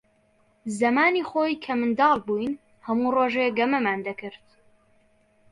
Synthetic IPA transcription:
zɐmaːnixoːjkʰɐmɨnd̪ɑːlˠbuːjn | hɐmuːroːʒeɡɐmɐmaːnd̪ɐkɨɾt̪

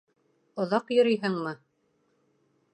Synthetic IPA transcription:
ŏðɑqjŏɾɤjɦɤɴmɤ

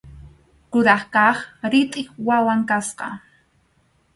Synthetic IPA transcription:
kʊɾɑχkɑχɾɪt̪ʼɪχwawaŋkasqɑ̰

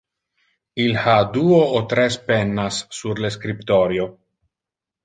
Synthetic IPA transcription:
ilhad̪uoːt̪ɾespenːasːuɾleskɾipt̪oɾjo

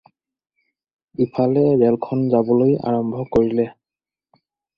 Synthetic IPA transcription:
bipʰalɛɹɛlkʰɔnzabɔloja̰ɹɔmbʱɔkoɹilɛ

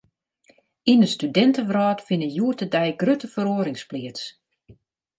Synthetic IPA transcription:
inəstydɛntəʋrɔːtfɪnəjuətədɛjɡrøtəfəɾoːɾɪŋsplɪəts

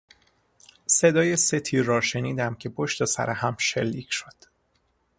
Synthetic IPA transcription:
se̞d̪ɒːjeset̪ʰiːɾːɒːʃe̞niːd̪æmcʰe̞pʰoʃt̪esæ̰ɾehæmʃelːiːcʰʃod̪̥

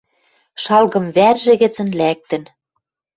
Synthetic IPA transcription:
ʃɑlɣɤ̆mβærʒɘ̆ɣɘ̆t͡sə̆nlæk̚t̪ɘ̆n

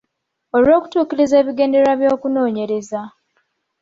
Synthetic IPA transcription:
o̞lwo̞ːku̥tuːkiɾize̞ːβiɡe̞ːndeɾaβjo̞ːkuno̞ːɲe̞ɾe̞za

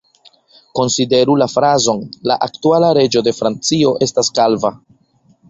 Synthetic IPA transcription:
ko̞nside̞ɾulafɾazo̞nla̰ʔaktualaɾe̞d͡ʒo̞de̞fɾant͡sio̞ʔe̞staskalva

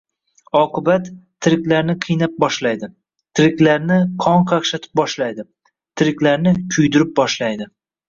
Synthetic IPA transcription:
ɒqɨbat̪ʰː | ɪɾɪkʲlaɾnɪqʰɨjnap̚bɒʃlajd̪ɪ | t̪ʰɪɾɪkʲlaɾnɪqʰɒɴqʰɑkʃat̪ʰɪ̥p̚bɒʃlajd̪ɪ | t̪ʰɪɾɪkʲlaɾnɪkʲʰʊjd̪ɪɾɪp̚bɒʃlajd̪ɪ

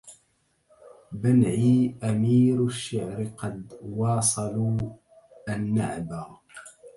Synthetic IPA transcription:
banʕiːʔamiːɾʃːaʕɾqɑd̪wɑːsˤɑluː | ʔanːaʕbah

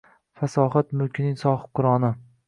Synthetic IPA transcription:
fasɒːχat̪mʊlkʲʰɪnɪŋsɒχqʰːʊɾɒnɪ

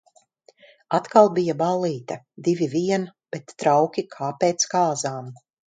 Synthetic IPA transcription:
at̪kalˠbijabalˠːiːt̪ɐ | d̪iviviɛnb̥et̪ːɾawkʲikʰaːpeːt̪skaːzaːm

